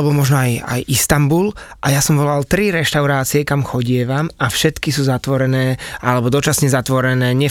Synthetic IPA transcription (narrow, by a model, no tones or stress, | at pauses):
ɛbɔmɔʒnɔaja̰jʔist̪ambulʔajasɔmʋɔlalt̪ɾiɾɛʃt̪aʊɾaːt͡siɛkamxɔɟɪɛʋamafʃɛt̪kisuːzat̪ʋɔɾɛnɛːʔalɛbɔd̪ɔt͡ʃasɲɛzat̪ʋɔɾɛnɛːɲɛ